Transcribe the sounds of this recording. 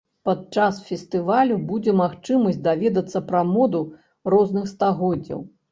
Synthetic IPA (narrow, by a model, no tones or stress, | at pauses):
pad̪̚t͡ʂasfʲɛst̪ɨvalʲubud͡zʲɛmaxt͡ʂɨmɐsʲtʲd̪avʲɛd̪ɐt̪sːɐpɾɐmɔd̪u | rɔznɨxst̪aɣɔdd͡zʲːɐ̰w